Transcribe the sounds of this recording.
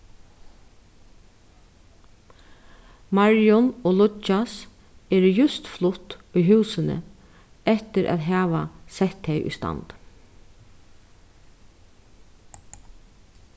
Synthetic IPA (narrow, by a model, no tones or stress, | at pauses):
maɹjɔnɔːlʊt͡ʃːas | ɛːɾɪjʉst̪flʊt̪ʏjɦʉːsɪnə̰ | ɛht̪ɪɾʔæ̰ːðɦaːʋasɛht̪hejʔʏ̰jst̪a̰nt̪